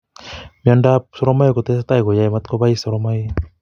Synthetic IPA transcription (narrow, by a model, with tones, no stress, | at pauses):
miɔ˧nda˧p̚sɔ˧ɾɔ˧ma˦jkɔ˧t̪e˦sat̪a˧jɡo˨ja˧jma˧t̪̚kɔ˧ba˧jsɔ˧ɾɔma˧j